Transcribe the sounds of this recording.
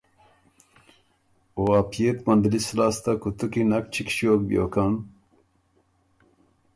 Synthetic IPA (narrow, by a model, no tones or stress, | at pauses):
oapʰijet̪mɐnd̪ilislaːst̪akut̪ukinɐk̚t͡ʃʰikɕijoːk̚bijo̰kan